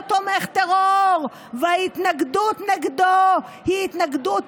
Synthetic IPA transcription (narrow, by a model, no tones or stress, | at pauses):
t̪omeχt̪eʁoʁ | veait̪naɡd̪ut̪neɡd̪ohiit̪naɡd̪ut̪